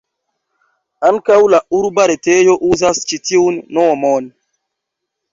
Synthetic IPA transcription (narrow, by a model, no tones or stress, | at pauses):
aŋkawlauɾbaɾetejoʔuzast͡ʃitiunːomon